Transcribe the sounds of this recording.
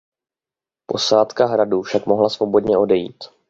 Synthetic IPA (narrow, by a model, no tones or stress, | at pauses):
po̞̰saːt̪kaɦɾadufʃakmo̞ɦlasvo̞bo̞dɲɛo̞dɛjḭːt̪